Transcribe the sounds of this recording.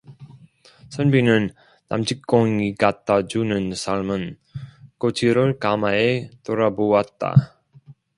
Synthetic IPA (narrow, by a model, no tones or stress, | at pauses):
sʰʌnbinɯnː | a̰mt͡ɕʰik͈oŋikat͈ʰad͡ʑunɯnsʰaɭmɯn | kot͡ɕʰiɾɯɭkamaetoɾabowat̚t͈a̰